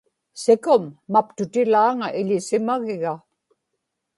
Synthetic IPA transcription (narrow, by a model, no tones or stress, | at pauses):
sɪkʊmːap̚t̪ʊt̪ɪlaːŋaʔɪʎɪsɪmaɣɪɣa